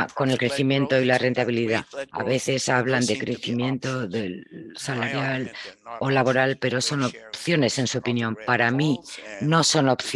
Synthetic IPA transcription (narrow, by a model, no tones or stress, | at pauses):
ko̞ne̞lkɾe̞θimjẽ̞nt̪o̞ilare̞nt̪aβ̞iliðaa̰βe̞θe̞saβ̞land̪e̞kɾe̞θimjẽ̞nt̪o̞ðelsalaɾjalo̞laβo̞ɾalpe̞ɾo̞so̞nopθjo̞ne̞se̞nsuo̞pinjõ̞mpaɾamino̞so̞no̞pθ